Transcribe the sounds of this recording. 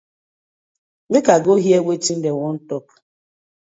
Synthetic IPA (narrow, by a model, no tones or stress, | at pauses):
bɪkaɡoɦiewʷetin̩deŋɔn̩tɔk